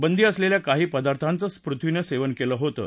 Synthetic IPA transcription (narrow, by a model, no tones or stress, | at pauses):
bənd̪iːəsleljakaɦiːpəd̪aɾt̪ʰant͡səspɾut̪ʰʋinəseʋənkeləːɦot̪ə̰ː